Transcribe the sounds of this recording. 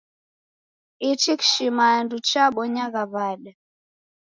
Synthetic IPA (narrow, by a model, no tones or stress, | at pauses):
it͡ʃiki̥ʃimaɛndut͡ʃaɓɔɲaɣaβaɗa